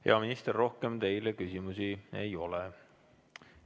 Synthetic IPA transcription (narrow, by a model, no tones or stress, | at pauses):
he̞̰ɑminist̪erːo̞hke̞mt̪e̞jlekysʲimusie̞̰jo̞lɛ